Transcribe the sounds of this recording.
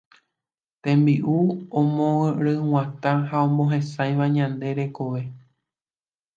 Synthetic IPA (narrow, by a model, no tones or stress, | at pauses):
t̪ẽ̞mbiʔuõmõɾɨw̃ãt̪ãɦaõmõɦẽ̞sajʋaɲãnd̪e̞ɾe̞ko̞ʋe̞